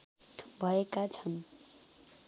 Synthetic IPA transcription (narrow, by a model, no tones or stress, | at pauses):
bʱʌekat͡sʰʌn